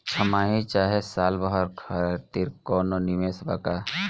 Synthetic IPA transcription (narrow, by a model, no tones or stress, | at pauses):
t͡ʃʰəmaːɦĩt͡ʃaːɦesaːlbəɦəɾkʰaɾt̪iːɾkɔːnonimesba̰ka